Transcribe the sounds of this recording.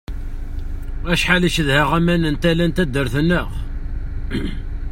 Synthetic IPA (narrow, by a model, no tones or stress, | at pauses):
æʃħaliʃəðhæʁæmænənt̪ælænt̪æd̪ːəɾθənːəʁ